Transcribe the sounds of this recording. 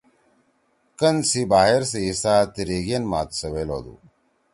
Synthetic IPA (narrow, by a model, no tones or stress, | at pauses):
kɐnsibaːɦeɾs̬eisaːt̪iɾeːɡienma̰ːt̪sɐwelo̰ːd̪ṵ